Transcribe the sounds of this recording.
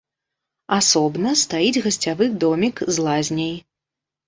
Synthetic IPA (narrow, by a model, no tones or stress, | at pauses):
asɔbnɐst̪ajid͡zʲɣɐsʲt͡sʲavɨd̪ɔmʲikzlˠazʲnʲɐj